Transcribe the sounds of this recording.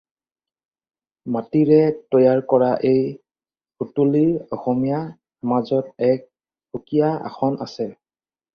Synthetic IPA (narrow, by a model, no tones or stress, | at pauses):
matiɹɛtɔjaɹkɔɹaʔej | kutuliɔxɔmija | mazɔtɛk̚ | bukijaa̰xɔna̰sɛ